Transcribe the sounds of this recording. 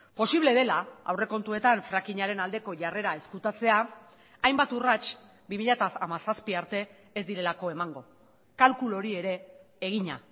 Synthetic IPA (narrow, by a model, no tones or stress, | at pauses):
po̞siβle̞ðe̞laa̰wre̞ko̞nt̪ue̞t̪aɱfɾakiɲaɾe̞nald̪e̞ko̞ʝare̞ɾae̞skut̪at͡se̞aː | jmbat̪urat͡ʃ | bimiʎat̪aamasaspiaɾt̪e̞ː | zd̪iɾe̞lako̞e̞maŋɡo̞ | kalkulo̞ɾie̞ɾe̞ː | ɣ̞iɲa̰